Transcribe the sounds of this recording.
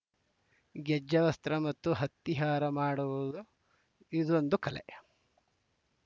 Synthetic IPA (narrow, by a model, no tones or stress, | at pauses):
ɡɛd͡ʒːɐʋɐst̪ɾɐmɐt̪ːuɦɐt̪ːiɦaːɾɐmaːɽuʋud̪u | id̪ond̪ukɐlḛ